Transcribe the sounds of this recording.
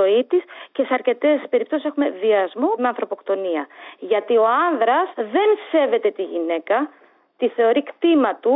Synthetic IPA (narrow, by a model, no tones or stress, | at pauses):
o̞it̪isce̞se̞ɐɾce̞t̪e̞spe̞ɾip̚t̪osise̞xume̞ðiɐzmomeɐnθɾo̞po̞kt̪o̞niɐʝɐt̪io̞ɐnðɾɐsðe̞nse̞ve̞t̪e̞t̪iʝine̞kɐ | t̪iθe̞o̞ɾikt̪imɐt̪u